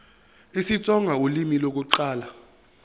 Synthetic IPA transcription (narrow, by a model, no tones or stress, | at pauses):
isit͡sʼɔŋɡʱaulimilok̬uǀaːla